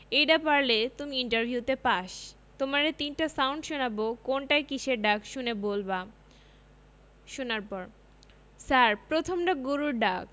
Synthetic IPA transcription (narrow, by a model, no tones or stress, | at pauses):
ejɖapaɾlet̪umiiɳʈaɾbʱiut̪epaʃ | t̪omaɾet̪inʈasawɳɖʃonabokonʈajkiʃeɖakʃunebolba | ʃunaɾpɔɾ | saɾpɾot̪ʰomɖaɡuɾuɾɖak̚